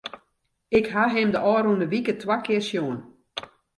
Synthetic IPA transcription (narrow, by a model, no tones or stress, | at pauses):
ɪkɦaɦɪmdəʔɔːɾunəʋikətwakɪərsjoən